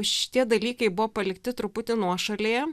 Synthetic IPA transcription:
ʃʲɪ̥t̪ʲiɛd̪ɐlʲiːkɐɪbʊʋoːpɐlʲɪkt̪ʲɪt̪ɾʊpʊt̪ʲɪnuɔʃɐlʲejɛ

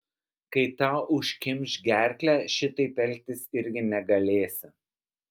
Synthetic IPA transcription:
kɐɪt̪ɑːʔʊʃʲkʲɪmʲˑʃʲɡʲæˑɾʲkʲlʲæːʃʲɪt̪ɐɪpʲɛlʲt̪ʲɪsɪɾʲɡʲɪnʲɛɡɐlʲeːsʲɪ

